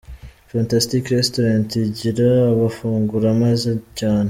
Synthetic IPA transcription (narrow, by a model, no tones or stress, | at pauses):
faːntastikɾestoɾantiɟiɾaːβafuːŋɡuɾamazecaːnhe